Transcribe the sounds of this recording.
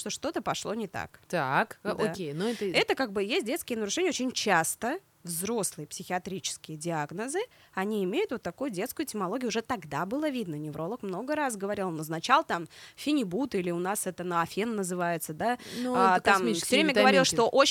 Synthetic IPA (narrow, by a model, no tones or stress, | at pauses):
ʂt̪o̞ʂt̪o̞t̪əpɐʂlˠo̞nʲɪt̪a̰kt̪akdʔ̪oaenoɛt̪ɛt̪əkaɡ̚bɨjesʲt̚ʲdʲeskʲɪjənəɾʊʂɛnʲɪəot͡ɕʲɪnʲt͡ɕast̪ə | vzɾo̞slˠɨjəpsʲɪxʲɪɐt̪ɾʲit͡ɕɪ̥skʲɪjədʲɪaɡnəzɨ | ɐnʲiɪmʲejʊt̪vot̪ːɐkujʊdʲe̞t̪skʊjʊtʲɪmɐlˠo̞ɡʲjʊʐɛt̪ɐɡd̪abɨlˠəvʲid̪nənʲɪvɾo̞lˠəkmno̞ɡəɾas̬ɡəvɐɾʲilˠnoznɐt͡ɕalˠət̪amfʲɪnʲɪbut̪ilʲɪʊnasɛt̪ənəɐfʲenːəzɨvajɪt̪səd̪anːt̪ammifsʲovɾemʲəɡəvɐɾʲilˠʂt̪o̞ʔo